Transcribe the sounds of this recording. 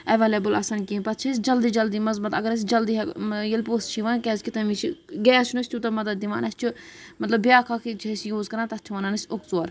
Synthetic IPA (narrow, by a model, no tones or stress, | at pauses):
ɐʋeːleːbula̰ːsaːnkĩːpɐt̪t͡ʃʰis̬ʲd͡ʒɐld̪id͡ʒɐld̪iːmɐzbɐt̪ɐɡɐɾɐs̬ʲid͡ʒɐld̪ijɐlpoːst͡ʃʰiʋaːnkʲɛzʲkit̪ɐmit͡ʃʰiɡeːɐt͡ʃʰunɐsʲt͡ʃ̪ʲut̪ɐmɐd̪ɐd̪ːiʋa̰ːnɐst͡ʃʰumɐt̪lɐbʲjaːkʰakʰit͡ʃʰisjoːzkɐɾãːt̪ɐt̪t͡ʃʰiʋɐːnaːnɐsʲokt͡soːɾ